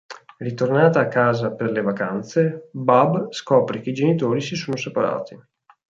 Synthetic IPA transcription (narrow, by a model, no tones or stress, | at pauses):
rit̪ornaːt̪aːkːaːzaperlevakant̪sebabskɔːpɾek̟eid͡ʒenit̪oːɾisisoːnosepaɾa̰ːt̪i